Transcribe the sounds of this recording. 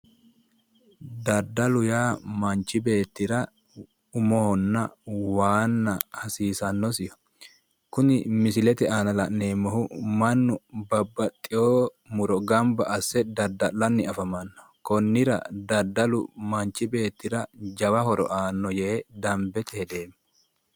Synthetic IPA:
d̪ɐd̪ɐlʊjaːmɐnt͡ʃːɪbe̞ːt̪ːɪɾɐ | ʊmɔɔnːɐwaːnːɐhɐsiːsɐnːɔsɪjɔ̥ | kʊnɪmɪsɪlɛt̪ɛaːnɐlɐʔne̞ːmːɔɦʊmɐnːʊbɐbːɐt̪ʼːɪjoː | mʊɾɔɡɐmbɐʔɐsːɛd̪ɐd̪ːɐlɐnːɪɐfɐmɐnːɐ̥ | kɔnːɪɾɐ̰d̪ɐd̪ːɐlʊmɐnt͡ʃːɪbe̞ːt̪ːɪɾɐd͡ʒɐwɐɦɔɾɔ̰ʔaːnːɔjeːd̪ɐmbɛt̪ɛhɛd̪e̞ːmːɛ

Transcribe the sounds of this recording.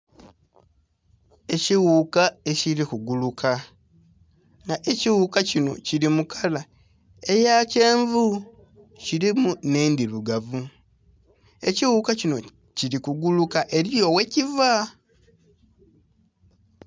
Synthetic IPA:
e̞ciwukae̞cilikuɡulukʰa | ŋɡaʔe̞ciwukacino̞̰ciɾimukʰala | e̞jace̞ːɱvu | ciɾimune̞ːnd̪iluɡavu | e̞ciwukacino̞̰ | ciɾikuɡulukaʔe̞ɾijo̞we̞civa

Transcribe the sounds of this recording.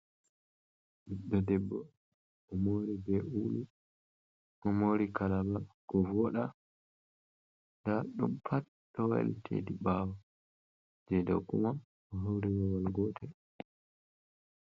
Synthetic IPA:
ɗiɗːɔdɛbːɔ̰ | ɔmoɾibɛʔulu | ʔɔmoɾikalabaɡ̥ɔvɔɗa | daɗumpʰat | ɗɔwa̰ltʰḛdiɓaːwa | d͡ʒɛda̰wkṵma | ɔɦawɾiwɔwalɡɔtʰɛ

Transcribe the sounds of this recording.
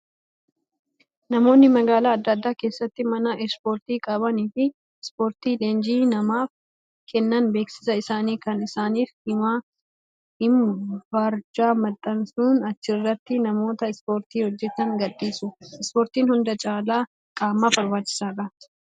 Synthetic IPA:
nɐmo̞ːnːɪmɐɡaːlaːɐd̪ːɐd̪ːaːke̞ːsːɐt̪ːɪmɐnɐʔɛspo̞ːɾt̪iːkʼɐbɐniːfɪ | spo̞ːɾt̪iːleːnd͡ʒiːnɐmaːf | kʰɛnːɐnbe̞ːksɪ̥sɐɪsaːniːkɐnɪsaːniːfhɪmaː | hɪmbaːɾd͡ʒaːmɐt̪ʼːɐnsuːnɐt͡ʃːɪrːɐt̪ːɪnɐmo̞ːt̪ɐɪspo̞ːɾt̪iːhɔd͡ʒːɛt̪ɐŋɡɐdːiːsʊɪspo̞ːɾt̪iːnhʊnd̪ɐt͡ʃʼaːlaː | kʼaːmːaːfɐɾmaːt͡ʃːɪ̥saːrɐ

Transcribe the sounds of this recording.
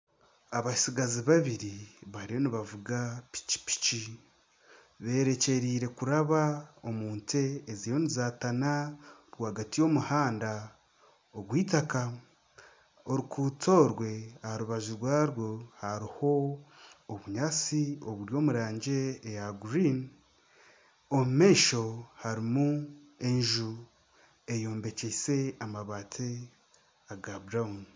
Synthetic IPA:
aβaisiɡaziβaβiɾiβaɾijo̞niβavuɡapi̥ci̥pi̥ci | βe̞ːɾe̞ce̞ɾiːɾe̞kuɾaβao̞muːnte̞ːzijo̞nizatanaɾwaːɡatijo̞muhaːnda | oɡwiːtaka | oɾikuto̞ːɾwe̞ahaɾuβaʒuɾwaːɾwo̞haɾiho̞ː | βuɲaːt͡sio̞βuɾjo̞ːmuɾaːɲɟe̞ːjaɡuɾin | omume̞ːʃo̞haɾimu | e̞ɲʒu | e̞jo̞ːmbe̞cese̞amaβaːtʰe | aɡabɾaun

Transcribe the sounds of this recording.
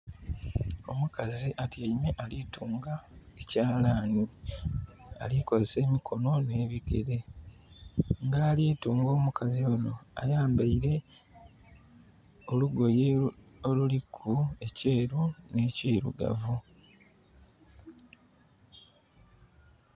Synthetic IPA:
o̞̰mukaziʔatiaimeʔalituːŋɡaecaːlaːni | a̰liko̞zese̞ːmikʰo̞no̞ne̞ːβikḛɾe̞ | ŋɡaːliːtuːŋɡo̞ːmukazio̞no̞a̰jaːmbaiɾe̞ | oluɡo̞je | olulikʰːue̞ce̞ːɾune̞ːciːɾṵɡa̰vu

